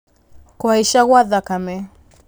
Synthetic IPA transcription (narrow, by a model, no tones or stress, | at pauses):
kwaiʃaɣwaðakamɛ